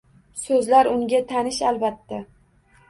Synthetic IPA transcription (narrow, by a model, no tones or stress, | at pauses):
sɵzlaɾʊŋɡʲat̪ʰanɪʃalˠbat̪ːa